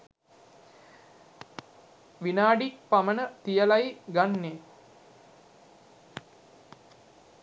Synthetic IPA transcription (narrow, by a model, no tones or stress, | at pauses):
ʋinaːɖikpamənət̪ijəlajɡanːe